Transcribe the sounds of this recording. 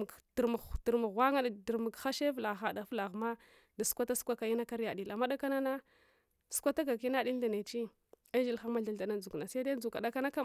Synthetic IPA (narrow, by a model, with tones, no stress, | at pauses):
di˨ɾmu˨ti˨ɾmu˨ɣwa˦ŋa˦˨di˨ɾmu˨ɡxa˦ʃe˦vla˨xa˨da˨˦fla˨ɣma˦ | da˨su̥˦kʷa˦ta˦su̥˦kʷa˦ka˨i˦na˦ka˦ɾja˨di˨la˨ma˦da˦ka˦na˦na˦ | su̥˦kʷa˦ta˦ɡa˨ki˦na˦di˦n˦da˨ne˨t͡ʃi˦ | a˦d͡ʒi˦lxa˦ma˦ɮa˨da˨na˦d͡zu˨kna˨sa˦da˦u˨ka˨da˦ka˦na˦ka˦